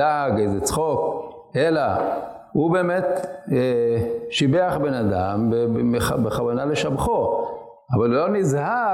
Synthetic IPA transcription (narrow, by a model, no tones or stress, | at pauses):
aɡejzet͡sχok | ela | hube̞ːmet̪eʃibeaχbenad̪ambeeabeχavanale̞ʃabχo | avalulo̞nizha